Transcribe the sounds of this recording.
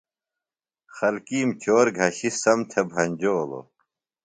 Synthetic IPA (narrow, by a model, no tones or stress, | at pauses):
xɐlkiːmt͡ɕoːɾɡʱɐɕisɐmt̪ʰebʱɐnʲd͡ʑoːlo̰